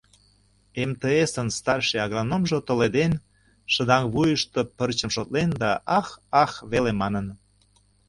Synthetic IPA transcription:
emt̪eesənst̪ɑrʃeɑɣronomʒot̪oled̪en | ʃə̆d̪ɑŋβujəʃt̪opərt͡ɕəmʃot̪lend̪ɑʔɑxɑxβelemɑnə̆n

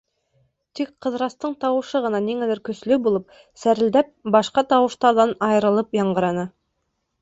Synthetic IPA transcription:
t̪ikqɤ̆ðɾɑst̪ɤɴt̪ɑwɤ̆ʃɤʁɤ̆nɑniŋælɘɾkɵ̆slɵbulˠɤp̚ | sæɾɘ̆ld̪æp̚bɑʃqɑt̪ɑwɤ̆ʃt̪ɑɾðɑnɑjɤ̆ɾɤ̆lˠɤpjɑɴɢɤ̆ɾɑnɤ

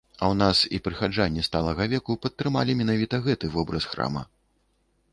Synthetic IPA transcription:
ɐwn̪asipɾɨxad͡ʐanʲːist̪alˠɐɣɐvʲɛkupɐt̪ːɾɨma̰lʲimʲɛnavʲit̪ɐɣɛt̪ɨvɔbɾɐsxɾa̰mɐ̰

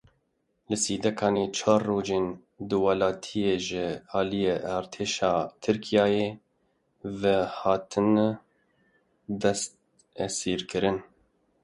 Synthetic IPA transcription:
lɨsiːd̪ɛkʰɑːneːt͡ʃʰɑːrːoːd͡ʒeːn | d̪ɨwɑlɑːt̪ʰijeːʒɪɑːlijeʔɑːɾt̪ʰeːʃɑːt̪ʰɨɾkʰijɑːjeː | vɛhɑːt̪ʰɨn | d̪ɛst̪̚ | ɛsiːɾkɨɾɨn

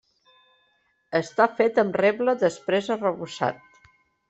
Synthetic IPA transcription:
əst̪afet̪əmrɛβləðəspɾezərəβusa̰t̪̚

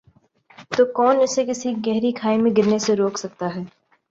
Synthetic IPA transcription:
t̪oːkɔːnʊsekɪsiɡɛɦɾikʰaːemẽɡɪɾneseɾoːksɐk̚t̪aɦɛː

